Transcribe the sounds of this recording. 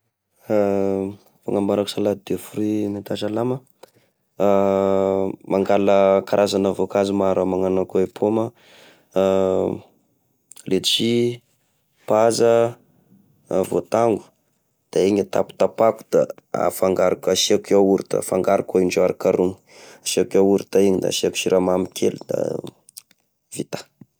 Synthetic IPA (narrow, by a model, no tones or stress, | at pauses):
fa̰ŋambaɾakusalad̪efurimat̪at͡ʃalamə | maŋɡaləkaɾʔazanəvokazimaɾamaŋanakoepʰoma | let̪t͡ʃi | pazə | vot̪aŋɡu̥ | d̪̥aeɲat̪a̰pu̥t̪apaku̥d̪̥a̰a̰faŋɡaɾakasiakauɾit̪a̰faŋɡaɾakaiɳɖ͡ʐoaɾakaɾuŋi̥asiakauɾit̪aiɲid̪a̰siaku̥t͡ʃiɾamamikʲʰelud̪a̰ | vit̪ḁ